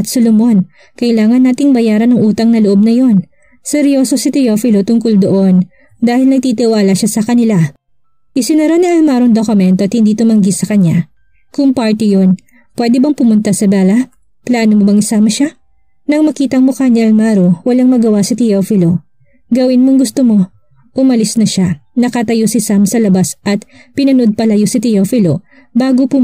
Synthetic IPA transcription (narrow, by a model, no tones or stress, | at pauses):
ɐt̪solomo̞n | kɐʔɪlaːŋɐnːaːt̪ɪŋbɐjaːɾɐnɐŋʔuːt̪ɐŋnɐloʔo̞b̚nɐjo̞n | sɛɾjo̞sosɪt̪ɪjofɪlo̞t̪ʊŋkʊld̪oʔo̞n | d̪aːhɪlnɐɡ̚t̪it̪ɪwaːlɐʃasɐkɐnɪla | ʔɪsɪnɐɾo̞niʔɐlmaːɾoŋd̪okʊmɛnt̪oʔɐt̪̚hɪnd̪iːt̪ʊmɐŋɡisɐkɐɲːa | kʊŋpaɹt̪ɪjo̞n | pwɛd̪ɛbɐŋpʊmʊnt̪asɐbaːlɐ | plaːnomobɐŋɪsaːmɐʃa | nɐŋmɐkiːt̪ɐŋmokaɲɐʔɐlmaːɾowɐlaŋmɐɡɐwasɐt̪ɪjofɪlo̞ | ɡɐwɪnmoŋɡʊst̪omo̞ | ʔʊmɐlɪsnɐʃanɐkɐt̪ɐjosɪsamsɐlɐbasʔɐt̪̚pɪnɐnod̪̚pɐlɐjosɪt̪ɪjofɪlo | baːɡopʊ